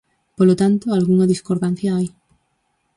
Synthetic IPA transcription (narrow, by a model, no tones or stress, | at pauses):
polot̪ant̪oalɣuŋaðiskoɾðan̟θjaaj